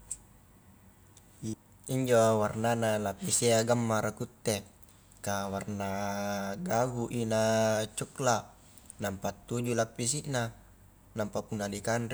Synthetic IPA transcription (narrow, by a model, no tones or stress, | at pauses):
iɲd͡ʒowarnanalapːisiaɡamːaɾakut̪ːe | kawarnaɡaɡuʔinat͡ʃukla | nampat̪ːud͡ʒulapːis̬iʔna | nampapunːadikanri